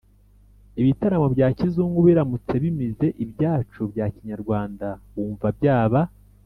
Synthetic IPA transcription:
iβitaɾamobɟaːcizuːŋɡuβiɾamut͡se̞βimize̞ʔibjaːt͡ʃubjaːciɲaɾɡwaːndawuːɱvab̚jaːβa

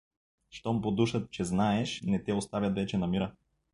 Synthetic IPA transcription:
ʃt̪ɔmpod̪uʃət̪̚t͡ʃɛznaɛʃnɛt̪ɛost̪avʲɐt̪vɛt͡ʃɛnɐmiɾə

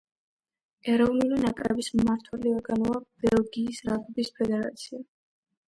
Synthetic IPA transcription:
ɛɾɔvnulinakʼɾɛbismaɾt̪ʰwɛliaɡanɔab̥ɛlˠɡiːsɾabɔbispʰɛd̪ɛɾa̰t̪sʰia

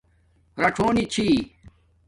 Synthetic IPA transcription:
ɾɐʈʰoːnit͡ɕʰiː

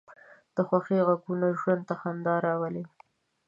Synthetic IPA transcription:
d̪̥əxwaxiɣaɡunaʒwand̪̚t̪axand̪ɑɾɑwəle

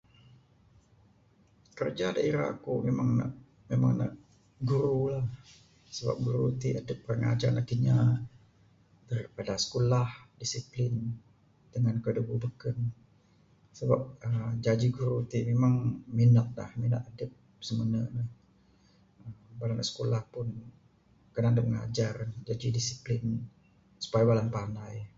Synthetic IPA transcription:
kərd͡ʒada̰ʔiɾa̰a̰kumemaŋna̰ʔ | mema̰ŋna̰ʔ | ɡuɾulah | səba̰p̚ɡuɾut̪iʔadəp̚ːrəŋa̰d͡ʒanat̪iɲa | t̪ərpadasə̥kolahdisiplɪn | d̪əŋankədububəkən | səbap̚əd͡ʒad͡ʒiɡuɾut̪imemaŋminak̪̚la̰hmina̰ʔ̚adəp̚ | səmənənəh | əmbalanaʔsə̥kolahpʊn | kənadəp̚məŋa̰d͡ʒarnd͡ʒad͡ʒidisiplɪn | su̥pajbalanpanaj

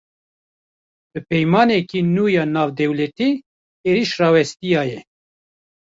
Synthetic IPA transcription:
b̥ɨpɛjmɑːnɛkiːnuːjɑːnɑːvd̪ɛwlɛt̪iː | eːɾiʃrɑːwɛst̪ijɑːjɛ

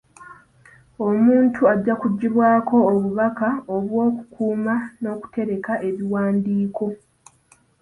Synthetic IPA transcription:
o̞muːntʰuaɟːakuɟːiβwaːkʰo̞ːβuβakaoβwo̞ːku̥kʰuːmano̞ːku̥te̞ɾe̞kaʔe̞βiwaːndiːkʰo̞

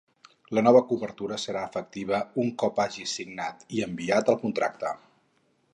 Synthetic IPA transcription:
lənɔβəkuβəɾt̪uɾəsəɾaəfək̚t̪iβ̞əuŋkɔpaʒisiɡnat̪iəmbiat̪əlˠkunt̪ɾʔa̰k̚t̪ə

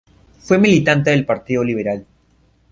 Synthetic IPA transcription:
fwe̞milit̪ant̪̬eðelpaɾt̪iðo̞liβ̞eɾal

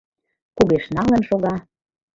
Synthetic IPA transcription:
kuɣeʃnɑlə̆nʃoɣɑ

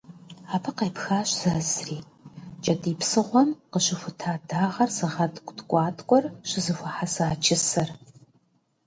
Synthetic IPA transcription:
aːpʰɐqejpxaːɕz̥ɐzriː | t͡ʃʼɐtʰʼiːpsɨʁʷɔmqəɕɪxʷʊtʰaːdaːʁɐrzɨʁɐtʼkʷʼtkʷʼɑːtʰʼkʷʼɔrɕɪzɨxʷɐħasaːt͡ʃʰʼɪsɐr

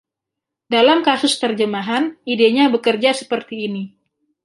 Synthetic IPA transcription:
dalamkasʊst̪ərd͡ʒəmaɦanideɲabəkərd͡ʒasəpərt̪iːni

